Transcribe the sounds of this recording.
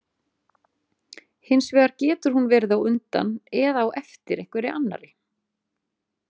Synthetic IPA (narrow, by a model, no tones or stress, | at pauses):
hɪnsvɛːðaɾcɛːt̪ʏɾ̥hunvɛɾðawʏnt̪a̰nɛðaːwʔɛft̪ɪɾɛhkvɛɾɪʔanːa̰ɾɪ